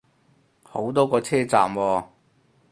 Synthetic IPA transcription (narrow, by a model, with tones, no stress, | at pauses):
ho˨˥wt̪ɔː˥kɔː˧t͡sʰɛː˥t͡sa̰ː˨mwɔː˧